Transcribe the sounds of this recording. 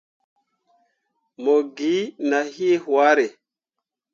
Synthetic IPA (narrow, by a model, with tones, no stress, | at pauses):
mo˨ɡi˨˦na˨hi˦hwa˦ɾe˨